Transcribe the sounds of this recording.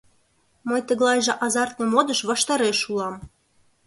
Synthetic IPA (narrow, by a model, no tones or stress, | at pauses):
mɤjt̪ə̆ɣlɑjʒĕʔɑzɑrt̪nĕmod̪əʃβɑʃt̪ɑɾeʃulɑm